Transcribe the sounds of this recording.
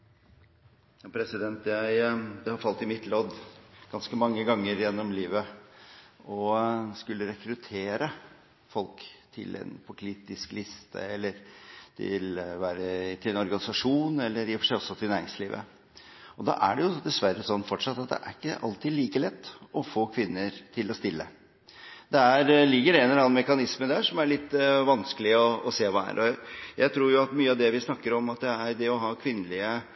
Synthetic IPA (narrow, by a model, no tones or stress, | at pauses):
jɑpʰɾɛsɪd̪ɛnt̪jæɪd̪ɛhɑɾfɑlt̪ɪmɪt̪ʰloːd̪ɡ̥ɑnskəmɑŋːəɡɑŋːəɾjɛnːɔmliːʋə | ɔskʉlːəɾɛkɾʉt̪ʰeːɾə | fɔlkt̪ʰɪ̰lʔɛ̰npʰɔkʰliːt̪ɪsklɪst̪ʰə̰ɛlːəɾt̪ɪ̰lʋæːɾət̪ʰɪlɛnɔɾɡɑnɪsɑʂuːnɛlːəɾjɛfɔ̥ʂæɔsːɔt̪ʰɪlnæːɾɪŋsliːʋʔə̰ | ɔd̪ɑ̰ʔæɖɛjʊd̪ɛsʋæɾəsɔnːfɔʈʂɑt̪ːɑt̪̚d̪ɛ̰ʔæ̰ɾɪkːəʔɑ̰lt̪iːd̪liːkəlɛt̪ːɔfoːkʰʋɪnːəɾt̪ʰɪlɔst̪ɪlːə̰ | d̪̥ɛæɾlɪɡːəɾɛnɛlɑːnmɛkɑnɪsməd̪æːʂɔmæɭɪt̪ːʋɑnskəlɪəɔɔseːʋɑːæ̰ɾʔɔjæɪt̪ʰɾuːɾjʊɑt̪myːəɑʋd̪ɛʋɪsnɑkːəɾɔmɑt̪̚d̪ɛæɾd̪ɛɔɦɑːkʰʋɪnːəlɪə